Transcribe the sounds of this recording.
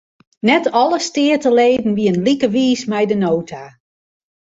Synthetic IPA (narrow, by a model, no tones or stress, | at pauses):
nɛtɔləstɪːətəleːdn̩ʋiənlikəʋiːsmɛjdənoːtʰa